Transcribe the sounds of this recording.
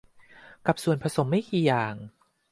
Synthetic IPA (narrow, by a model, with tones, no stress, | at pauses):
ka˨˩p̚su˨˩ənpʰɾa˧so˨˩˦mːa˥˩jkiː˧jaː˨˩ŋ